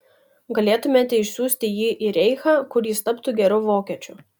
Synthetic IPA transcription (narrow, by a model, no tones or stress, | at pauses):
ɡɐlʲeːt̪ʊmʲeːt̪ʲɛɪʃʲsʲuːsʲt̪ʲɪjiːʔiɾʲɛɪxaːkʊɾʲjiːst̪ɐpt̪uːɡʲɛɾʊːʋoːkʲɛt͡ʃʲʊ